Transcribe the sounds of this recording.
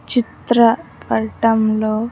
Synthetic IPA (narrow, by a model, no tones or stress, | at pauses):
t͡ʃit̪ɾɐpɐɾʈɐmloː